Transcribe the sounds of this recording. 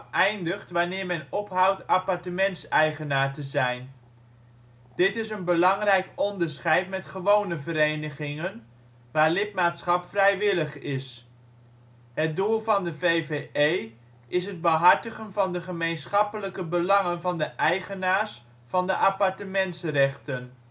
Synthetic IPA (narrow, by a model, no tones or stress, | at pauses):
ʔɛjndəχtʋanɪːɹmɛnɔpɦʌwtapɑɹtəmɛntsɛjχənaːɹtəzɛjn | d̥ɪtɪs̬ənbəlɑŋrɛjkɔndəɹsχɛjtmɛtχəʋownəvəɾejnəχɪŋən | ʋaːɹlɪt̚maːtsχɑpfrɛjʋɪləχɪs | ɦət̚dulˠvɑndəvejveej | ʔɪsɦəd̚bəɦɑɹtəχənvɑndəχəmejnsχɑpələkəbəlɑŋənvɑndəʔɛjχənaːɹs | fɑndəʔapɑɹtəmɛntsrɛχtən